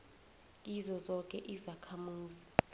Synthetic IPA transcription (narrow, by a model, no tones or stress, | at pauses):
izɔzɔk̬ʼɛʔizakʰamuːzi